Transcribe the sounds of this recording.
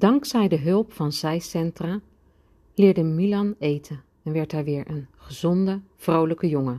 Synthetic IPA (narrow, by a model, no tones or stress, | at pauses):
d̥ɑŋksɛjdəɦɵlˠpfɑnzɛjsɛntra | lɪːɹdəmilɑnejtʰən | ɛnʋɛɹtɛːɹʋɪːɹʔənχəzɔndə | v̥rowləkəjɔŋə